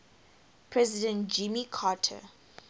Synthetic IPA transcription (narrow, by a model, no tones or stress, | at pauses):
pʰɹɛzɪdə̃ntd͡ʒĩmikʰaːtʰə̰